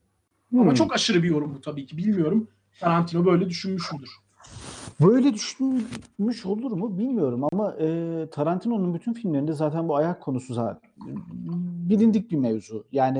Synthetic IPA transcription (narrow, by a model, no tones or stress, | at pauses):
amat͡ʃʰo̞kaʃɯɾɯbijo̞ɾumbut̪ʰabiːcʰibilʲmijo̞ɾum | t̪ʰaɾant̪ʰinobø̞jlʲɛd̪yʃynmyʃmolˠuɾ̥ | bø̞jlʲɛd̪yʃ | myʃo̞lˠuɾmubilʲmijo̞ɾumamaʔɯːt̪ʰaɾant̪ʰino̞nunbyt̪ʰynfilʲmlʲeɾind̪ɛzaːt̪ʰænbuajakʰːo̞nusuza | bilʲind̪ic̚bimevzujaːni